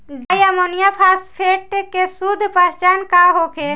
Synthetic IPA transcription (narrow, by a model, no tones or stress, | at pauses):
d̪əjamonijapʰaːspʰeʈkesud̪ʱpəst͡ʃankaɦokʰe